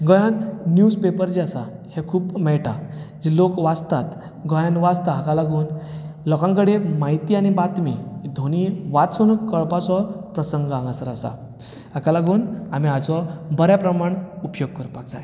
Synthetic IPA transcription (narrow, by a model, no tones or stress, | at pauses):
ɡɔjanːjuspepəɾd͡ʑiasa̰hekʰuːpmɛɭʈad͡ʑilokʋat͡st̪at̪ | ɡɔjãnʋast̪aɦakalaɡuːnlɔkãŋkəɽemait̪iːaɽ̃ibat̪mid̪ʱoñiʋat͡suːnkəɭpat͡sɔpɾəsəŋɡãŋɡasəɾasa̰ | akalaɡuːnam̤iat͡sɔbəɾjapɾəmaɳupjoɡ̚kəɾpakd͡zae